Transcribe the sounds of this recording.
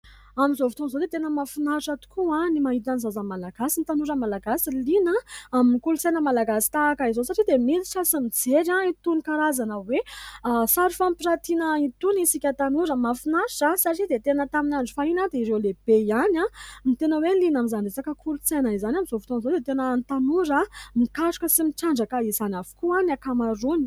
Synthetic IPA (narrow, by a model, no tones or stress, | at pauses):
amizovut̪onzod̪et̪enəmafinaʈ͡ʂat̪u̥kuãnimaɦit̪anizazamalaɡasint̪anuɾəmalaɡasilinaaminikulut͡sejnəmalaɡasi̥t̪aːkaizosaʈ͡ʂid̪emit͡si̥sasimid͡zeɾãit̪unikaɾazanəwesaɾifampiɾat̪inəit̪unisikʲət̪anuɾəmafinaʃasaʈ͡ʂid̪et̪enət̪aminaɳɖ͡ʐifainad̪eiɾewleb̥ejanãmit̪enəwelinamizanɖ͡ʐet͡sakəkʰulut͡senəizanamizofi̥t̪onzod̪et̪enənt̪anuɾəmikaʈ͡ʂu̥kəsimiʈ͡ʂaɳɖ͡ʐakaizanʲavu̥kuanakamaɾuni